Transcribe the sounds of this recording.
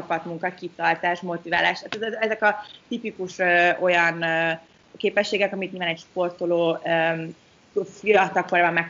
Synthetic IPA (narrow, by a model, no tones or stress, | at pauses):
t͡ʃɒpɒt̪muŋkɒkit̪ɒrt̪aːʃmo̞t̪iva̰ːlaːʃt̪aːt̪ɛzɛɛzɛkɒt̪ipikuʃøːo̞jɒnː | keːpɛʃːeːɡɛkɒmik̪nɲilvaːnɛcʃpo̞rt̪oloːø | fiɒt̪ɒkoɾaːbɒmːɛk